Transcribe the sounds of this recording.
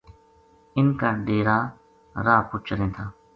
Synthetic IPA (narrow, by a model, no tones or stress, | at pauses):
ɪnkaːɖeːɾaː | ɾaːpʊt͡ʃɾẽːt̪ʰaː